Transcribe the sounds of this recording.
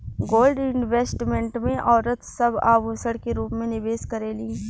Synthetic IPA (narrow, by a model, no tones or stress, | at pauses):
ɡoːlɖɪnʋeːsʈmẽɳʈmẽʔɔːɾət̪sɐbaːbosəɽkeɾuːpmẽnɪʋeːskɐɾelĩː